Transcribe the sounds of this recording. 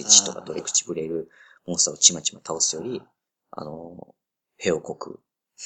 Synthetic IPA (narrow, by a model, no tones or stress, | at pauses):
it͡ɕi̥t̪o̞ka̰d̪o̞ɾe̞kɯ̥t͡ɕi̥bɯ̟ɾe̞ɾɯ̟ | mõ̞ñst̪aot͡ɕimat͡ɕimat̪ʰaosɨjo̞ɾʲi | a̰no̞̰ | he̞o̞ko̞kɯ̰